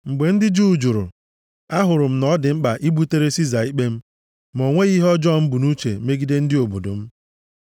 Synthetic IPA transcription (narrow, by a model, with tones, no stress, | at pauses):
ŋ͡m̩˨ɡ͡be˨n̩˦dɪ˦d͡ʒu˦˨d͡ʒu˨ɾʊ̰˨ | a˦ɦʊ˨ɾʊ˨m̩˦nɔ˦dɪ˨m̩˦k͡pa˨ʔi˦bu˦te˦ɾe˦si˦za˨i˦k͡pe˦m̩˦ | mo˨ŋʷe˦ɣi˦ɦɔ˦d͡ʒɔ˦˨m̩˦bu˨nu˦t͡ʃḛ˨me˦ɡi˦de˦n̩˦dɪ˦o˨bo˨do̰˨m̩˦